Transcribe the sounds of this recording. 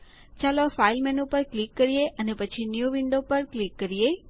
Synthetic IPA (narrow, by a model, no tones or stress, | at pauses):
t͡ʃalofailmɛnupəɾklikːəɾijeʔənepət͡ʃʰinjuʋiɳɖopəɾklikːəɾije